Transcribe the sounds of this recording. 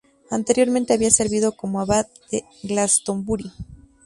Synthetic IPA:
ant̪e̞ɾjo̞ɾmẽnt̪e̞aβiase̞ɾβiðo̞ko̞moaβat̪d̪e | ɡlast̪o̞mbuɾi

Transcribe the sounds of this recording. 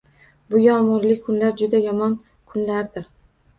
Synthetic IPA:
bʊjɒmɒɾlɪkʰʊnlaɾd͡ʒʊd̪ajɒmɒn | kʰʊnlaɾd̪ɪɾ

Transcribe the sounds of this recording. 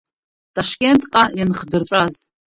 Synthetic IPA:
tʼaʂkʲʼe̞ntʼqʼajanχdɨrʈ͡ʂʷʼaz

